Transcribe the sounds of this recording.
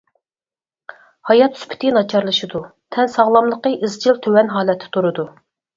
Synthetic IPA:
hɑjɑt̪ːspʰɪ̥t̪ʰɪnɑt͡ʃʰɑɾlˠɨʃɨd̪ut̪ʰɛnsɑʁlˠɑmlˠəqəʔizt͡ʃilt̪ʰøwɛnɦɑːlɛt̪ʰːɪ̥t̪ʰuɾɨd̪u

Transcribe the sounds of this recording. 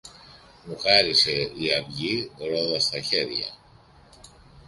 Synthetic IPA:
muxɐɾise̞iɐvʝiɾoðɐst̪ɐçe̞ɾʝɐ̰

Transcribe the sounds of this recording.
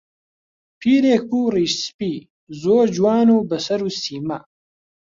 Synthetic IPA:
pʰiːɾeːk̚uːriːʃspiː | zoːɾd͡ʒuwaːnuːbɐsɐɾuːsiːmɐ

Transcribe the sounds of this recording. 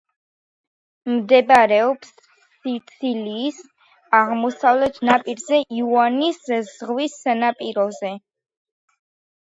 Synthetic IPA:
md̪ɛbaɾɛɔpsː | it̪sʰiliːs | aʁmɔsavlɛt̪ʰnapʼiɾzɛʔiuaniszʁwisanapʼiɾɔzɛ

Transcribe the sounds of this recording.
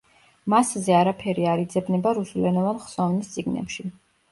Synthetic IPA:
maszɛaɾapʰɛɾiaɾid̪zɛbnɛbaɾusulɛnɔvanχsɔvnist̪sʼiɡnɛ̰pʃi

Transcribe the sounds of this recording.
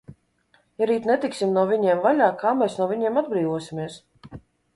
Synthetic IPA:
jaɾiːt̪nɛt̪iksimnuɔvʲiɲɛɛmvalʲaːkaːmɛːsnuɔvʲiɲeɛmad̪̚bɾiːvuɔsʲimʲiɛs

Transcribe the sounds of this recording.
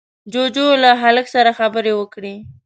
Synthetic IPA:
d͡ʒod͡ʒolaɦaləksaɾaxabəɾewəkɽi

